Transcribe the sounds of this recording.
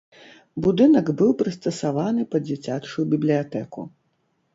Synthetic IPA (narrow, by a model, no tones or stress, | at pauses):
bud̪ɨnɐɡbɨwpɾɨst̪ɐsavanɨpɐd͡zʲɛt͡sʲat͡ʂujubʲiblʲijat̪ɛkṵ